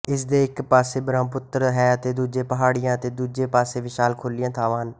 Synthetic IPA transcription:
ɪsd̪eːɪkpaːseːbɾãːmpʊt̪ːəɾɦɛːət̪eːd̪uːd͡ʒẽːpəɦaːɽɪjãːət̪eːd̪uːd͡ʒeːpaːseːʋɪʃaːlkʰoːlɪjãːt̪ʰaːʋaːn

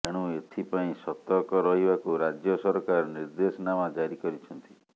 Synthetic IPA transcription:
eɽ̃ũet̪ʰipaĩsɔt̪ɔkɔɾɔɦibakuɾad͡ʒjɔsɔɾkaɾɔniɾd̪esɔnamad͡ʒaɾikɔɾit͡ʃʰɔnt̪i̥

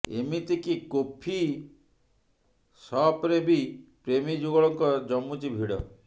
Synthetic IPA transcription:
ḛmit̪ikikopʰi | sɔpɾebipɾemid͡ʒuɡɔɭɔŋkɔd͡ʒɔmːut͡ʃibʱiɽɔ̰

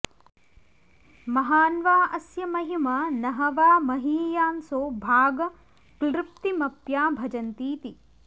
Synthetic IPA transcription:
mɐɦaːnʋaːʔɐsjɐmɐɦimaːnɐɦɐʋaːmɐɦiːjaːnsoːbʱaːɡɐ | klɾɪp̚t̪imɐpjaːbʱɐd͡ʒɐnt̪iːt̪i

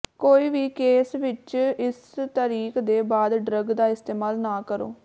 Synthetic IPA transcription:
koːiːʋiːkeːsʋɪt͡ʃɪs | t̪əɾiːkd̪eːbaːd̪ɖɾəɡd̪aːɪst̪eːmaːlnaːkəɾo̰ː

